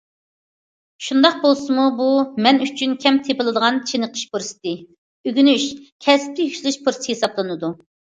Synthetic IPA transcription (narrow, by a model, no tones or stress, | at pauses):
ʃund̪ɑq̚bolˠsɨmubumɛnyt͡ʃʰynkʲʰɛmt̪ʰepɨlˠɨd̪əʁɑnt͡ʃʰenɨqʰə̥ʃpuɾsɨ̥t̪ɨ | øɡʲynyʃkʲʰɛsp̚lɪhyʃlˠɨʃpʰuɾsɨhesɑplˠɨnɨd̪u